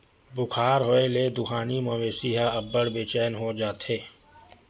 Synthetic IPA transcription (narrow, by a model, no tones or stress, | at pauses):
bʊkʰaːɾɦoːeleːd̪ʊxaːnimõːʋeːsiɦaɐbːəɽbeːt͡ʃɛːnɦod͡ʒaːt̪eː